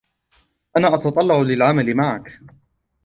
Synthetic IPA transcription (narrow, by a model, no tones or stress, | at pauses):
ʔanaːʔɑt̪ɑt̪ˤɑlːɑʕʊlɪlʕamalɪmaʕak